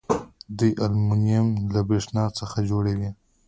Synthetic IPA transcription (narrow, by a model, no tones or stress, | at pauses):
d̪əjʔalmʊnijamlabeʂnɑt͡səxad͡ʒoɽawi